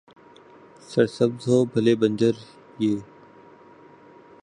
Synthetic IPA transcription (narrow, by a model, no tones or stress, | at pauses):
səɾsəbzɦoːbʱəleːbə̃nd͡ʒəɾ | jeː